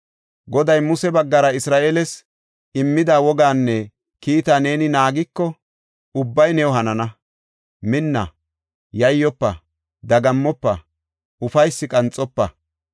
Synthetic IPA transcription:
ɡɔd̪ɐjmʊsɛbɐɡːɐɾɐɪsɾaːʔeːlɛs | ɪmːɪd̪aːwɔɡaːnːɛ | kiːt̪aːne̞ːnɪnaːɡɪkːɔ | ʊbːɐjnɛwɔɦɐnɐnɐ | mɪnːɐ̰ | jɐjːɔpːɐ | d̪ɐɡɐmːɔpːɐ | ʊfɐjsːɪkʼɐnt͡sʼːɔpːɐ̰

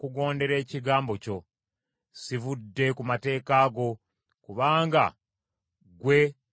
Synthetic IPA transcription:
kuɡo̞ːnde̞ɾe̞ːciɡaːmbo̞co̞ | sivudːe̞kumate̞ːkaːɡo̞ | kuβaːŋɡa̰ | ɡwe̞

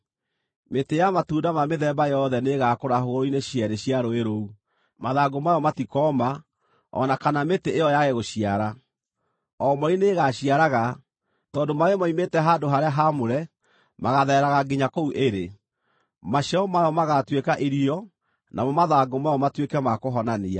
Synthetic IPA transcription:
metejamatuːdamameðɛbajɔðɛneɣakoɾaɦoɣoɾoineɕiɛɾeɕiaɾoeɾou | maðaɡomajɔmatikɔma | ɔ̰nakanameteejɔjaɣeɣoɕiaɾa | ɔmɔɾineɣaɕiaɾaɣa | tɔːndomaemaimetɛɦadoɦaɾeaɦamoɾɛ | maɣaðɛɾaɣaɡiɲakouʔeɾe | maʃɔmajɔmaɣatwekaʔiɾiɔ | namɔmaðaɡomajɔmatwekɛmakoɦɔnania

